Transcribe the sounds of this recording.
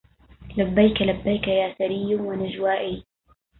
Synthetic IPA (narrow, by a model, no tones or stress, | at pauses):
labːajkalabːajkajaːsaɾɪjːʊnwanɪd͡ʒwaːʔiː